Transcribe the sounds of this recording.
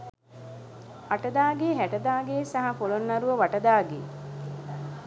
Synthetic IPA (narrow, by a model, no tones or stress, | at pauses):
aʈɐd̪aːɡeːɦæʈɐd̪aːɡeːsaɦɐfolonːɐɾuʋəʋaʈɐd̪aːɡḛː